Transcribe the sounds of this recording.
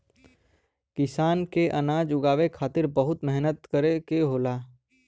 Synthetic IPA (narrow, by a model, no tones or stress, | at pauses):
kɪsaːnkeʔənaːd͡ʒʊɡaːʋekʰaːt̪ɪɾbəɦʊt̪mɛɦnət̪kəɾekeɦoːlaː